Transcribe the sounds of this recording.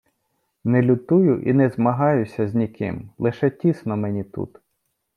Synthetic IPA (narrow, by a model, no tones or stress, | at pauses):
nɛlʲʊt̪ujʊʔḭnɛzmɐɦɑjʊsʲɐzʲnʲikɪ̰mlˠɪʃɛtʲisnɔmɛnʲit̪ṵt̪